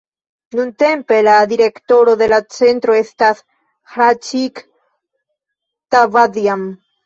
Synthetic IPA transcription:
nunte̞mpe̞lad̪iɾe̞kto̞ɾo̞d̪e̞lat͡se̞nt̪ɾo̞e̞stas | hɾat͡ʃik | tavadiam

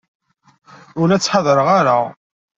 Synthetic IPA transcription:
ʊɾæt͡sːħɑðˤɾəʁaɾa

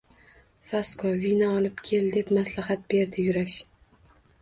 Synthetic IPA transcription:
faskʰɒvinaɒlˠɪpkʲʰe̞ld̪e̞pmaslahat̪̚be̞ɾd̪ɪjʊɾaʃ

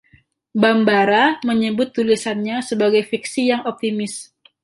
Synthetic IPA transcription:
bambaɾaməɲəbʊt̪ːulisanɲasəbaɡajfik̚sijaŋɔp̚t̪imɪs

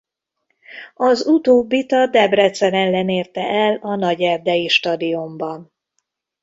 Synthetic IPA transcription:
ɒzut̪oːbːit̪ɒd̪ɛbrɛt̪sɛɾɛnlɛneːrt̪ɛʔɛlɒnɒɟɛrd̪ɛjiʃt̪ɒd̪iombɒn

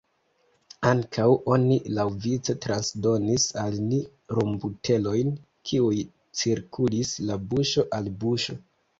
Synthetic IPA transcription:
aŋkʰawʔo̞nilawvit͡se̞tɾansdo̞nisalni | ɾombutʰe̞lo̞jn | kʰiuj | t͡siɾkʰulislabuʃo̞ʔalbuʃo̞

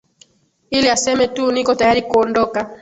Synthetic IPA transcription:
iliasɛmɛtunikɔtajaɾikɔndɔka

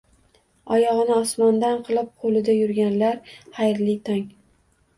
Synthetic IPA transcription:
ɒjɒʁɨnɪɒsmɒnd̪anqʰɨlˠɪp̚qʰolɪd̪ajʊɾɡʲanlaɾhajɾlɪt̪ʰaŋ

